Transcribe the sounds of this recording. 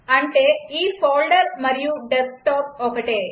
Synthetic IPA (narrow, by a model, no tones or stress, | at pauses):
ɐɳʈeiːfoːlɖɐɾmɐɾɪjuɖesʈoːp̚ɔkɐʈeː